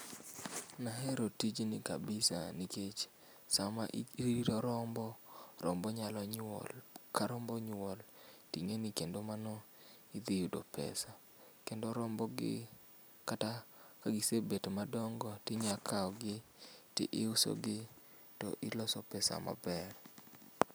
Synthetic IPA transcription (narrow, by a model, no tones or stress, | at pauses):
naɦɛɾotid͡ʒnɪka̰bɪsa̰niket͡ʃ | samaʔɾiiɾɔɾɔmbɔɾɔ̰mbɔɲalɔɲɔ̰lkaɾɔmbɔɲɔltiŋenikendomanɔ | id̪ɪjudopɛ̰sa | kendoɾɔmbɔɡɪ̰ | katakaɡisebetmadɔŋɡɔtɪɲakʰaɔɡɪtɪ̰ʔɪʊsɔ̰ɡɪ | tɔ̰ʔɪlɔsɔpɛsa̰ma̰bɛr